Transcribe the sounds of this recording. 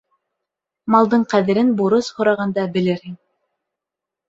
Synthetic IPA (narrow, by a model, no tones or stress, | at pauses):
mɑlˠd̪ɤɴqæðɘ̆ɾɘnbuɾɤshŏɾɑʁɑnd̪ɑbɘ̆lɘɾhin